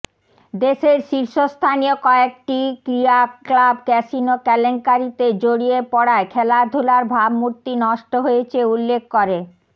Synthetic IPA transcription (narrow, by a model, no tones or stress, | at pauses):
d̪eʃeɾʃiɾʃost̪ʰanijokɔek̚ʈikɾiaklabkɛsinokɛleŋkaɾit̪ed͡ʑoɽiepɔɽaekʰɛlad̪ʱulaɾbʱabmuɾt̪inɔʃʈoɦoet͡ɕʰeulːekʰːoɾe